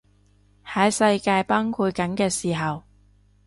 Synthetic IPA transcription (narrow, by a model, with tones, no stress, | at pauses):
hɐ˨˥jsɐ˧jkaː˧jpaː˥ŋkʰuː˧t̚kɐ˨˥nkɛː˧siː˨˩ɦɐ˨w